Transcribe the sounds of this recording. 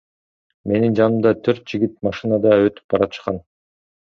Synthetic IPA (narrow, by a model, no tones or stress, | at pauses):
me̞nind͡ʒɑnɯmd̪ɑt̪ʰøɾt̪̚d͡ʒiɡʲit̪̚mɑʃɨnɑd̪ɑø̞t̪y̥p̚bɑɾɑt̪ɯ̥ʃqɑn